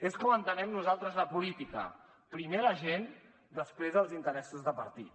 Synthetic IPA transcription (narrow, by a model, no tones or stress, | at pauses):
eskoənt̪ənɛmnuzalˠt̪ɾəzləpulit̪ikə̰ | pɾimeɾəʒen | d̪əspɾezðəlˠzint̪əɾɛsuzðəpəɾt̪it̪